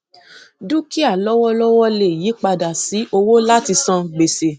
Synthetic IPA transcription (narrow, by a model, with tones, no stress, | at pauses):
dũ˦ki˦a˦˨lɔ˦wɔ˦lɔ˦wɔ˦le˨ji˨˦k͡pa˧da˨si˨˦ʔo˧wo˦la˦ti˧sã˧ɡ͡be˨se˨